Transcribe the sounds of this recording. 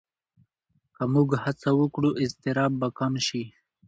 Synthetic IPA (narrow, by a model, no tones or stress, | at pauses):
kamuɡhat͡sawəkɽuʔɪst̪ɪɾɑbːakamʃi